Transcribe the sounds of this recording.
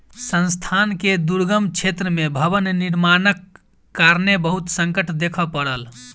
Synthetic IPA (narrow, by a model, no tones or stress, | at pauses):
sə̃nst̪ʰanked̪uɾɡəmt͡ʃʰet̪ɾəmebʱəβənniɾmanəkː | aɾnebəɦut̪səŋkəʈʰd̪ekʰəpəɽəl